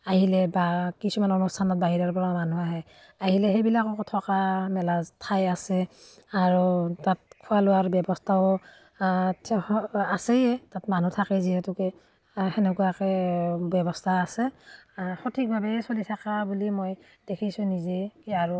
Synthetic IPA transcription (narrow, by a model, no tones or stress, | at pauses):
aɦilɛbakisumanɔnustʰanɔt̚baɦiɹaɹpɔɹamanuaɦɛ | aɦilɛɦejbilakɔkɔtʰɔkamɛlaztʰajasɛaɹutat̚kʰualʊwaɹbɛbɔstʰa | asɛjɛtatman̤utʰakɛziɦɛtukɛ | xɛnɛkuakɛbɛbɔstʰaːsɛ | xɔtʰik̚bʱabɛsolitʰakabulimoj | d̥ekʰisʊ̃nizɛkiaɹu